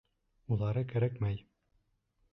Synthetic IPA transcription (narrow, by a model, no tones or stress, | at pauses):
ulˠɑɾɤkæɾækmæj